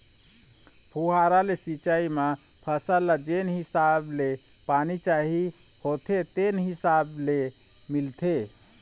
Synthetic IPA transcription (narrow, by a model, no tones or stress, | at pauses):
pʰuɦaɾalesit͡ʃaima | pʰəsalad͡ʒenɦisable | panit͡ʃaɦi | hot̪ʰet̪enɦisable | milt̪ʰe